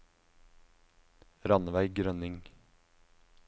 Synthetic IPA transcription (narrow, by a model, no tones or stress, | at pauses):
ɾɑnəʋæɪɡɾœnɪŋ